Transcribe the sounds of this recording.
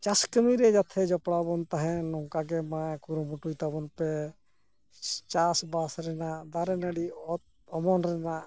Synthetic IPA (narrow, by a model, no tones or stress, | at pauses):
t͡ʃaskəmiɾɛd͡ʒat̪ʰɛd͡ʒɔpɽabɔnt̪aɦɛ̃nɔŋkaɡɛmajkuɾɔmuʈujt̪abɔnpɛ | t͡ʃasbasɾɛnad̪aɾɛnəɽiɔt̪̚ | ɔmɔnɾɛnaʔ